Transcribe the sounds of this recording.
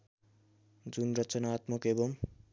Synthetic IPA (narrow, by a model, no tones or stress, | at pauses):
d͡zunrʌt͡sʌnaːt̪mʌkebʌm